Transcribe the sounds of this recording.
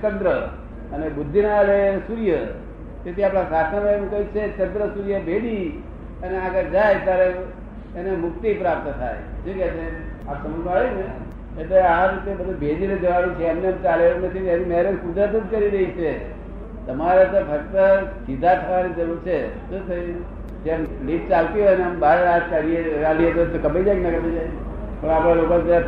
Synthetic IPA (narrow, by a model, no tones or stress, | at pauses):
kənt̪ɾə | ənebud̪ʱːinalesuɾijə | t̪et̪ʰiapɽ̃ãsasʰaneemkəɦit͡ʃʰekənt̪ɾəsuɾjəbʱeɽi | əneaɡəɾd͡ʒajt̪jaɾeː | nemʊk̚t̪ipɾap̚t̪ət̪ʰa̰jd͡ʒekɛt͡ʃʰe | apsəmunaɭine | et̪eaɾit̪ebəd̪ʱubʱed͡ʒiɾed͡ʒəʋaʋit͡ʃʰeəmneəmt͡ʃaleɾnət̪ʰinenimeɦɾəd̪kud̪ət̪ud͡ʒkəɾiɾəɦit͡ʃʰe | t̪əmaɾet̪obʱəkt̪əsid̪ʱat̪ʰəʋanid͡ʒəɾuɾt͡ʃʰet̪ot̪ʰəi | d͡ʒemliʈ̚t͡ʃalt̪iɦɔjneəmbaɾeɾat̪kaɾieɾaliet̪ot̪okəbəid͡ʒajknəkəbəd͡ʒaj | pəɳ̃apɽalokond̪